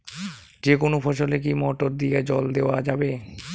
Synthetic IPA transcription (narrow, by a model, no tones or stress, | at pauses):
d͡ʑekonofʰɔʃolek̬imɔʈoɾd̪ied͡ʑɔld̪eoad͡ʑabe